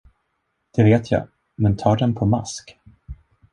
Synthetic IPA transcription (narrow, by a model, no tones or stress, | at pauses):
d̪̥ɛveːt̪ʰja̰ː | mɛnt̪ʰɑːɖɛnpʰɔma̰sk